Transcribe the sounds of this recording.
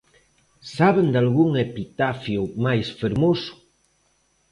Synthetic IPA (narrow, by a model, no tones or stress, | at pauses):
saβend̪alɣuŋepit̪afjumajsfeɾmosʊ̥